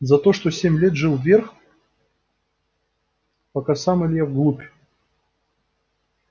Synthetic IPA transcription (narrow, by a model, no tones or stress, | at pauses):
zɐt̪oʂt̪osʲemʲlʲet̪ʐɨlˠvʲerx | pɐkasamɨlʲjavɡlˠupʲ